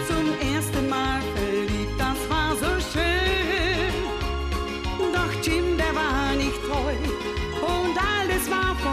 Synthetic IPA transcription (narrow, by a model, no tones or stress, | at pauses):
t͡sʊmeːɐstənmaːlfɛɐliːp̚td̥asv̥aːzoːʃøː | n | dɔxt͡ʃɪmdeːɐvaːnɪçtʁɔʏ | ʊntaləsv̥aːfɔ